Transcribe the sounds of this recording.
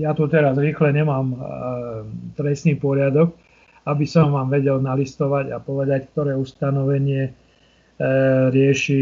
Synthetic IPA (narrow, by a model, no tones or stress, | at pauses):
jat̪ut̪ɛɾazɾiːxlɛɲɛmaːm | t̪ɾɛst̪niːpɔɾɪad̪ɔk | abisɔmʋaːmʋɛɟɛlnalist̪ɔʋaɟapɔʋɛd̪ack̚t̪ɔɾɛːust̪anɔʋɛɲɪɛ | ɾɪɛʃi